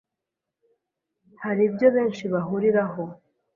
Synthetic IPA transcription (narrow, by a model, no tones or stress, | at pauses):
haɾibjo̞βe̞ːnʃiβaɦuɾiɾaɦo̞